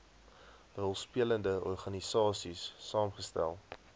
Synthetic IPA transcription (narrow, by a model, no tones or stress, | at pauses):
rəlˠspiələndəɔrχɐnisɑːsisːɑːmχəstæ̰lˠ